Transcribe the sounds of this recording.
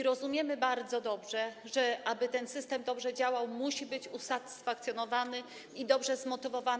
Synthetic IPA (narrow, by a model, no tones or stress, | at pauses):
ɾɔzumʲjɛmɘbaɾd̪zɔd̪ɔbʐɛʐɛʔabɘt̪ɛnsɘst̪ɛmd̪ɔbʐɛd͡ʑawawmuɕibɘt͡ɕusat̪ɘ̥sfak̚t̪sʲjɔnɔvanɘ | id̪ɔbʐɛzmɔt̪ɘvɔva